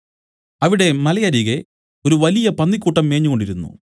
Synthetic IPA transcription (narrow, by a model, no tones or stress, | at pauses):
ɐʋiɽe̞mɐlɐjɐɾiːɣe | o̞ɾuʋɐlijɐpɐnːikʲːuːʈːɐmːe̞ːɲːuɣo̞ɳɖiɾunːṵ